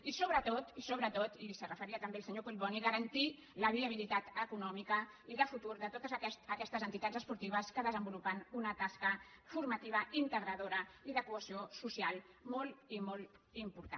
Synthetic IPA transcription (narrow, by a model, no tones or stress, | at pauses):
isoβɾət̪ot̪isoβ̞ɾət̪ot̪isərəfəɾiət̪əmbealˠsəɲokuʎβɔniɣəɾənt̪i | ləβiəβ̞ilit̪at̪əkunɔmikə | iðəfut̪uɾðət̪ot̪əzɛsəkɛst̪əzənt̪it̪ad͡zəspuɾt̪iβ̞əskəðəzəmbulupənunət̪askəfuɾmət̪iβəint̪əɣɾəðoɾəiðəkuəsiosusialˠ | mɔlˠimolˠt̪impuɾt̪a̰